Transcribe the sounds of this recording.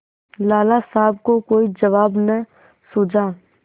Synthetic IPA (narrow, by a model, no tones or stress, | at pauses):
laːlaːsaːb̚kokoːid͡ʒəʋaːbnə | sʊːd͡ʒaː